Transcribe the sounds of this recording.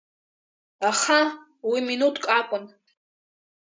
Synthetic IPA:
aχa | wiminutʼkʼakʷʼʊn

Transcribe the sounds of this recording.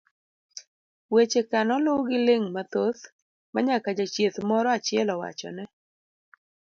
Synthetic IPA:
wet͡ʃekanɔlowɡɪleŋmat̪oθ | maɲakad͡ʒat͡ʃjet̪mɔɾɔat͡ʃɪɛlɔwa̰t͡ʃɔ̰nɛ

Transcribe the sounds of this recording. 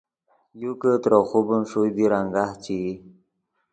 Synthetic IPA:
jukət̪ɾoxubənʂujd̪iɾaŋɡaht͡ɕi

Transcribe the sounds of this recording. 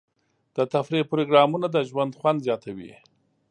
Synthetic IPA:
d̪̥ət̪afɾiq̚pɾoɡɾɑmunad̪əʒwand̪xwand̪zjɑt̪awḭ

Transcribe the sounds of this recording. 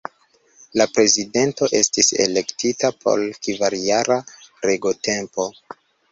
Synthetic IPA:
lapɾe̞zide̞nto̞ʔestise̞̰le̞ktitapʰo̞̰lkivaɾjaɾaɾeɡote̞mpo̞

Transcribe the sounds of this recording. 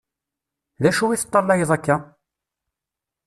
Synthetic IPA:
ðæʃuwiθə̥t̪ˤːɑlːɑjəðˤækːa

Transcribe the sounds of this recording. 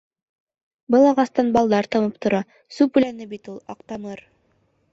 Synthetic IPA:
bɤlˠɑʁɑst̪ɑnbɑlˠd̪ɑɾt̪ɤ̆mɤp̚t̪ŏɾɑ | sʉpʉ̆lænɘbit̪ulˠɑ̰qt̪ɑmɤɾ

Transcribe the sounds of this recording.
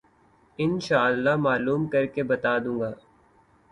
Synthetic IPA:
ɪnʃaːəlːamaːluːmkɐɾkebɐt̪aːd̪ũːŋɡaː

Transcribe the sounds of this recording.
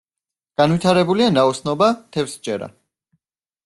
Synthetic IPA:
ɡ̥anwit̪ʰaɾɛbulianaɔsnɔbat̪ʰɛfsd͡ʒʼɛɾa̰

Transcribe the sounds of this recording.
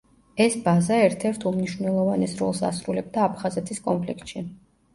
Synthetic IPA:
ɛsbazaɛɾt̪ʰɛɾt̪ʰumniʃwvnɛlˠɔvanɛsɾɔ̰lˠsa̰sɾulɛb̚d̪aːpʰχazɛt̪ʰiskʼɔmpʰlik̚ʰt̪ʃi

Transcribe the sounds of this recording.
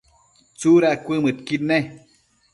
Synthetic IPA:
t͡suɾakʷɨmɨt̪kit̪ne

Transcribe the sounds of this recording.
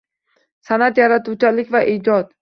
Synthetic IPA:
sanat̪jaɾat̪uwt͡ʃʰalɪkʲvaʔid͡ʒɒt̪

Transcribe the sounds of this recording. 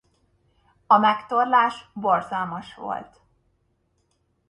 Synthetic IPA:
ɒmɛkt̪o̞rlaːʃbo̞rzɒlmɒʃʋo̰lt̪

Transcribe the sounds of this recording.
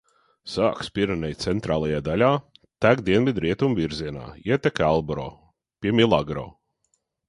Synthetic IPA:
saːkspʲiɾanɛjt̪sɛnt̪ɾaːlˠajaːd̪alʲaːt̪æɡd̪iɛnvʲid̪ɾʔiɛt̪umviɾziɛna̰ːiɛt̪ɛkʲalˠbɾɔ̰ː | pʲiɛmʲilˠaɡɾɔ̰ː

